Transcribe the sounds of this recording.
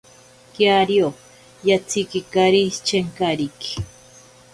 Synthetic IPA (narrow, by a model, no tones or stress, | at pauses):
kjaɾjo | jat͡sʰikikaɾit͡ʃeŋkaɾiki̥